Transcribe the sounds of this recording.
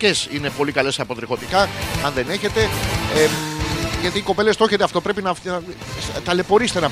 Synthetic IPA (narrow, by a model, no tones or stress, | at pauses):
e̞sine̞po̞likɐle̞sɐpo̞t̪ɾiɣo̞t̪ikɐɐnðe̞ne̞çe̞t̪e̞e | ʝɐt̪iːko̞pe̞lest̪o̞çet̪eɐft̪o̞pɾe̞pinɐ | t̪ɐle̞po̞ɾist̪enɐ